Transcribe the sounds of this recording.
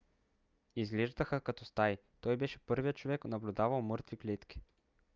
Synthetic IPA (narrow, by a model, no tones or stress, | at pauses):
izlʲiʒd̪əxəkɐt̪ɔst̪ajt̪ɔjbɛʃɛ̥pɤɾviət̪t͡ʃovɛknɐblʲʊd̪avɐlˠmɤɾt̪viklʲit̪kʲi̥